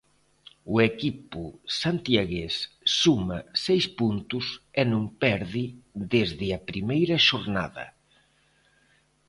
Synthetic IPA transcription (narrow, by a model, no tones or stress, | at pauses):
ʊekipʊsant̪jaɣesː | umɐsejspunt̪ʊsɛnũŋpɛɾðɪðezðɪɐpɾimejɾɐʃoɾna̰ðɐ̰